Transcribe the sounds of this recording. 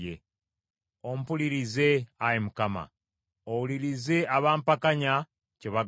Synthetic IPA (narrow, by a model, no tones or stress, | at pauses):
e | om̩puliɾize̞ajemukama̰ | owuliɾize̞aβaːmpakaɲa | ceβa